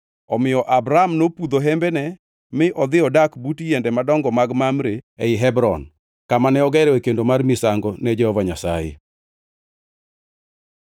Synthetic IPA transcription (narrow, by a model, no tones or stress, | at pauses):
ɔmɪjɔʔabɾamnopud̪oɦɛmbɛnɛ | mɪʔɔd̪ɪɔdakbutijɛndɛmadɔŋɡɔmaɡmamɾeeɪɦɛbɾɔn | kamanɛɔɡɛɾɛwekendomarmisaŋɡɔnɛd͡ʒɛhɔvaɲasajɪ̰